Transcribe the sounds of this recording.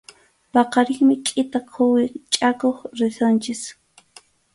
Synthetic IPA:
pɑqɑɾɪŋmɪkʼɪt̪akʰʊwɪt͡ʃʼakoχɾɪsont͡ʃɪs

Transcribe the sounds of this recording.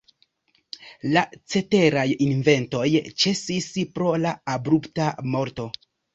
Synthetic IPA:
lat͡se̞te̞ɾajinve̞nto̞jt͡ʃe̞sispɾo̞laːbɾuptamo̞ɾto̞

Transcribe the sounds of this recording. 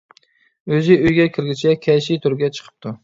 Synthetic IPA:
øzɪøjɡʲɛkʲʰɪɾɡʲit͡ʃʰɛkʲʰɛʃɪt̪ʰʊɾɡʲɛt͡ʃʰə̥qʰə̥p̚t̪ʰu

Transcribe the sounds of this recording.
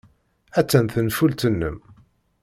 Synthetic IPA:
æt͡sːænθənfult̪ənːə̰m

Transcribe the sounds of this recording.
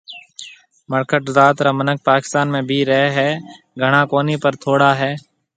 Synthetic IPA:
məɾkəʈzaːt̪ɾaːmənək̚ʰpaːkɪ̥st̪aːnmẽːbʱiːɾəɦeɦɛː | ɡʱəɳaːkoːniːpəɾt̪ʰoːɽaːɦɛː

